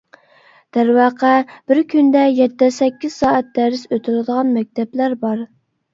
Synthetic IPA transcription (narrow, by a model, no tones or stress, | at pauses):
d̪̥æɾwɑːqʰæb̥ɪɾkʲʰynd̪ɛjɛt̪ːɛsɛkʲːiz̥sɑːɛt̪̚d̪æɾɪsøt̪ʰɪlɨd̪əʁɑnmɛk̚ʲt̪ʰɛblæɾbɑɾ